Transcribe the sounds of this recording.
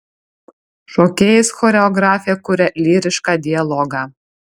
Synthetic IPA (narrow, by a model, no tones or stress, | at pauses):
ʃoːkʲeːjɪsxɔːɾʲɛɔɡɾɑːfʲɪjɛkʊɾʲɛlʲiːɾʲɪʃkɑːd̪ʲɪjɛlˠɔːɡɑː